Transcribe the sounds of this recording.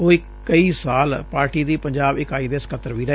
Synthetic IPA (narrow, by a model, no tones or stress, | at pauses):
oːi | kəiːsaːlpaːɾʈiːd̪iːpəɲd͡ʒaːbɪkaːiːd̪eːskʰət̪ːəɾʋiːɾə